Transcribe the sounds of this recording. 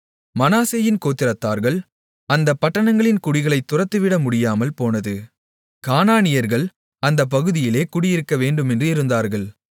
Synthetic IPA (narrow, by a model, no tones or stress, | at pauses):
mɐnaːseːjɪnkoːt̪ːɪɾɐt̪ːaːɾɣɐɭ | ɐnd̪ɐpːɐʈːɐɳɐŋɡɐɭɪnkʊɽɪɣɐɭɐɪt̪ːʊrɐt̪ːɯʋɪɽɐmʊɽɪjaːmɐlpoːnɐðɯ | kaːnaːnɪjɐɾɣɐɭ | ɐnd̪ɐp̬ːɐɣɯðɪjɪleːkʊɽɪjɪɾɯkːɐʋeːɳɖɯmɛndrɯɪɾɯnd̪aːɾɣɐɭ